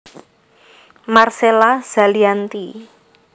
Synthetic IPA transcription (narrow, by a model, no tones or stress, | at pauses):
marselaz̥a̤liant̪i